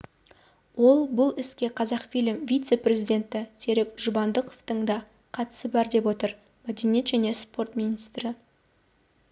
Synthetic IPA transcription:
wo̞lˠbʊlˠɪskʲe̞qʰɑzɑqfijlʲɪmvʲijt̪se̞pɾʲe̞zijd̪ʲe̞nt̪ɪse̞ɾekʒʊbɑnd̪əqʰoft̪əɴd̪ɑ | qʰɑt̪ə̥səbɑɾd̪e̞pwo̞t̪əɾ | mæd̪enije̞t̪ʒæne̞spo̞rt̪mijnijst̪ɾɪ

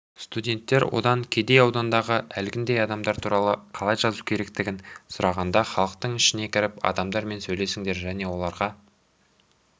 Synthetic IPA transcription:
st̪udʲe̞nt̪ːe̞ɾwo̞̰d̪ɑŋkʲʰe̞d̪e̞jɑwd̪ɑnd̪ɑʁəʔælɡʲɪnd̪e̞jɑd̪ɑmd̪ɑɾt̪ʰuɾɑlˠəqʰɑlˠɑjʒɑzuwkʲʰe̞ɾe̞kt̪ɪɡʲɪnsʊɾɑʁɑnd̪ɑχɑlˠəq̚t̪əɴɪʃɪne̞kʲʰɪɾɪpɑ̰d̪ɑmd̪ɑɾme̞nsɵjle̞sɪŋd̪e̞ɾʒæne̞wo̞lˠɑɾʁɑ

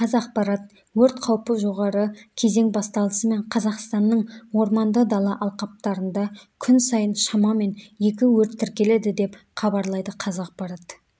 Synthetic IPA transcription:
qʰɑzɑq̚pɑɾɑt̪ | wɵɾt̪qʰɑwpəʒo̞ʁɑɾəkʲʰe̞ze̞ŋbɑst̪ɑlˠəsəme̞ɴqʰɑzɑqst̪ɑnːəɴwo̞ɾmɑnd̪əd̪ɑlˠɑʔɑlˠqɑp̚t̪ɑɾənd̪ɑkʲʰʏnsɑjənʃɑmɑme̞nje̞kʲɪwɵɾt̪ʰːɪɾkʲe̞le̞d̪ɪd̪e̞p | χɑbɑɾlˠɑjd̪əqʰɑzɑq̚pɑɾɑt̪

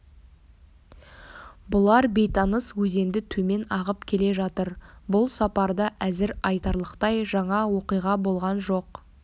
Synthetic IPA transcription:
bʊlˠɑɾbe̞jt̪ɑnəswɵze̞nd̪ɪt̪ʰɵme̞nɑʁəpkʲʰe̞le̞ʒɑt̪əɾbʊlˠsɑpɑɾd̪əʔæzɪɾɑjt̪ɑɾlˠəqt̪ɑjʒɑɴɑwo̞qijʁɑbo̞lˠʁɑnʒo̞q

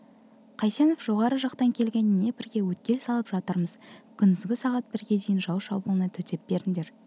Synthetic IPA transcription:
qʰɑjseno̞fʒ̥o̞ʁɑɾəʒɑqt̪ɑŋkʲʰe̞lɡʲe̞nɪnːe̞bɪɾɡʲe̞wɵt̪̚kʲe̞lsɑlˠəpʒɑt̪əɾməzkʲʰʏnd̪ʏzɡʲɪsɑʁɑt̪̚bɪɾɡʲe̞d̪ejɪnʒɑwʃɑ̰wbulˠənət̪ʰɵt̪ʰe̞p̚b̥e̞ɾɪŋd̪e̞ɾ

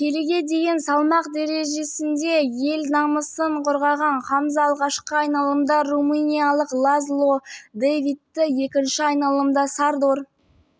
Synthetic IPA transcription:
kʲʰe̞leɡʲe̞d̪e̞jɪnsɑlˠmɑqd̪e̞ɾe̞ʒe̞sɪnd̪e̞je̞lnɑməsəɴqʰʊɾʁɑʁɑɴχɑməzɑlˠʁɑʃqəɑjnɑlˠəmd̪ɑrumunʲijalˠəqlˠazlˠod̪ejvit̪ːɪje̞kʲɪnʃɪɑjnɑlˠəmd̪ɑsɑɾd̪oɾ

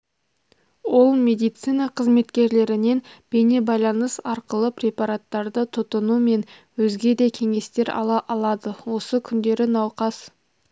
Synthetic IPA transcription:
wo̞lˠmʲe̞d̪ijt̪sijnɑqʰəzme̞t̪kʲe̞ɾle̞ɾɪne̞nb̥e̞ne̞bɑjlˠɑnəsɑɾqəlˠəpɾʲe̞paɾat̪ːɑɾd̪ət̪ʰʊt̪ənume̞n | wɵzɡʲe̞d̪e̞kʲʰe̞ŋe̞st̪e̞ɾɑ̰lˠɑʔɑlˠɑd̪əwo̞səkʲʰʏnd̪e̞ɾɪnɑwqɑs

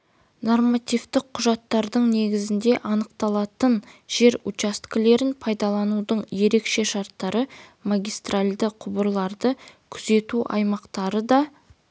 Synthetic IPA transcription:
no̞rmat̪ijvt̪ɪq̚qʰːʊʒɑt̪ːɑɾd̪əɴne̞ɡʲɪzɪnd̪e̞ʔɑnəqt̪ɑlˠɑt̪ənʒ̥e̞ɾut͡ʃast̪kʲɪle̞ɾɪnpʰɑjd̪ɑlˠɑnud̪əɴje̞ɾe̞kʃe̞ʃɑɾt̪ːɑɾəmaɡʲijst̪ralʲd̪əqʰʊbəɾlˠɑɾd̪əkʲʰʏze̞t̪uʔɑ̰jmɑqt̪ɑɾəd̪ɑ

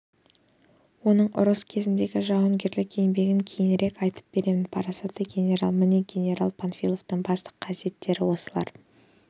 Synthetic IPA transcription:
wo̞nəɴʔʊ̰ɾəskʲʰe̞zɪnd̪e̞ɡʲɪʒɑwəŋɡʲe̞ɾlɪkʲʰenbe̞ɡʲɪŋkʲʰe̞jɪnɾʔekɑjt̪ə̥p̚b̥e̞ɾe̞mɪnpʰɑɾɑsɑt̪əɡʲe̞nʲe̞ɾa̰lˠmɪneɡʲe̞nʲe̞ɾalˠpʰanfʲilˠo̞vt̪əɴbɑst̪ə̥qʰːɑsije̞t̪ːe̞ɾɪwo̞səlˠɑ̰ɾ

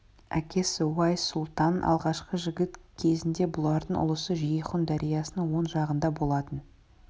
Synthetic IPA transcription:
ækʲe̞swɑjsʊlˠt̪ɑnɑ̰lˠʁɑʃqəʒɪɡʲɪt̪kʲʰe̞zɪnd̪e̞bʊlˠɑɾd̪əɴʊ̰lˠəsəʒijəχʊnd̪æɾʔijɑsənəŋwo̞nʒɑʁənd̪ɑbo̞lˠɑt̪ən

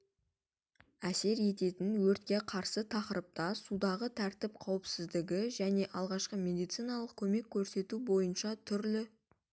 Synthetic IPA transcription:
æse̞ɾje̞t̪e̞t̪ɪnwɵɾt̪̚kʲe̞qʰɑɾsət̪ʰɑqəɾəp̚t̪ɑsud̪ɑʁət̪ʰæɾt̪ɪp̚qʰɑwəpsɪzd̪ɪɡʲɪʒæne̞ʔɑlˠʁɑʃqəmʲe̞d̪ijt̪sijnɑlˠəq̚kʲʰɵme̞kʲʰːɵɾse̞t̪ubo̞jənʃɑt̪ʰʏɾlɪ

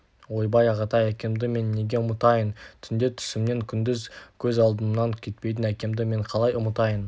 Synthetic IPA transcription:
wo̞jbɑjɑʁɑt̪ɑjækʲe̞md̪ɪme̞nːe̞ɡʲe̞ʊmət̪ɑjənt̪ʰʏnd̪et̪ʰʏ̥sɪmne̞ŋkʲʰʏnd̪ɪzkʲʰɵzɑlˠd̪əmnɑŋkʲʰe̞t̪pe̞jt̪ɪnækʲe̞md̪ɪme̞ɴqʰɑlˠɑjʊmət̪ɑjən

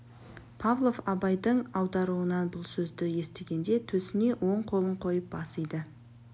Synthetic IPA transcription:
pʰavlˠo̞fɑbɑjd̪əɴɑwd̪ɑɾuənɑnbʊlˠsɵzd̪ɪje̞st̪e̞ɡʲe̞nd̪e̞t̪ʰɵsɪne̞ʔwʔo̞ɴqʰo̞lˠəɴqʰo̞jəp̚bɑsəjd̪ə

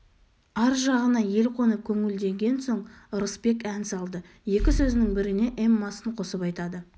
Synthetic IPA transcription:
ɑɾʒɑʁənɑje̞lqʰo̞nəkʲʰɵŋɪld̪e̞ŋɡʲe̞nso̞ɴɾəsbe̞kænsɑlˠd̪ə | je̞kʲɪsɵzɪnɪŋbɪɾɪne̞ʔemːɑsəɴqʰo̞səpɑjt̪ɑd̪ə

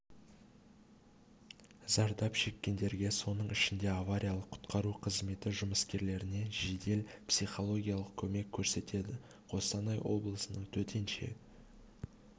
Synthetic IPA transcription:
zɑɾd̪ɑpʃe̞kʲːe̞nd̪e̞ɾɡʲe̞so̞nəɴɪʃɪnd̪e̞avaɾʲijalˠəqʰːʊ̥t̪qɑɾuqʰəzme̞t̪ɪʒʊməskʲe̞ɾle̞ɾɪne̞ʒe̞d̪e̞lpsijχo̞lˠo̞ɡʲijalˠəq̚kʲʰɵme̞kʲʰːɵɾse̞t̪e̞d̪ɪ | qʰo̞sɑnɑjwʔo̞blˠəsənəɴt̪ʰɵt̪ʰe̞nʃḛ

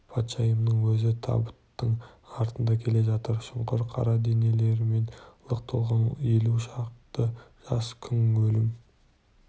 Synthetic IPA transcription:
pʰɑt̪ʃɑjəmnəɴwɵzɪt̪ʰɑ̰bət̪ːəɴɑɾt̪ənd̪ɑkʲʰe̞le̞ʒɑt̪əɾʃʊmqəɾqʰɑ̰ɾɑd̪ene̞le̞ɾɪme̞nlˠəq̚t̪ʰəlˠʁɑn̰jeluʃɑqt̪əʒ̥ɑskʲʰʏŋwɵlɪm

